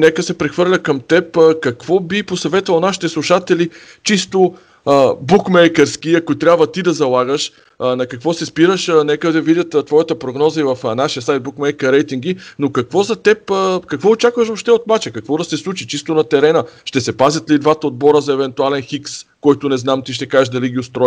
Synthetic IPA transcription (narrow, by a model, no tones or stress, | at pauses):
nɛkəsɛpɾɛxvɤɾlʲɐkɐmt̪ɛpːkɐkvɔbiposɐvɛt̪vɐlˠnaʃi̥t̪ɛslˠuʃat̪ɛli | t͡ʃist̪o | əbukmɛjkəɾskiɐkʊt̪ɾʲjabvət̪id̪ɐzɐlˠaɡəʃ | nɐkɐkvɔsɛspiɾəʃnɛkəd̪ɐvidʲət̪t̪vɔjɐt̪əpɾoɡnɔzəivɐfnaʃijəsajt̪̚bukmɛjkəɾɛjt̪iŋɡinokɐkvɔzɐt̪ɛpːkɐkvɔot͡ʃakvəʃoʃt̪ɛot̪mat͡ʃɛkɐkvɔd̪ɐsɛslˠut͡ʃit͡ʃist̪onɐt̪ɛɾɛnəʃt̪ɛsɛpazʲɐt̪lid̪vat̪əod̪̚bɔɾəzɐɛvɛnt̪ʊalɛnxikskɔjt̪ʊnɛznamt̪iʃ̬t̪ɛkaʒɛʒd̪ɐliɡʲiʊst̪ɾɔj